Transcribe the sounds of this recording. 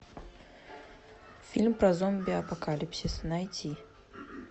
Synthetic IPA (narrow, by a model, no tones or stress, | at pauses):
fʲilʲmpɾɐzɔmbʲiɐpɐkalʲipsʲisnajtʲʰi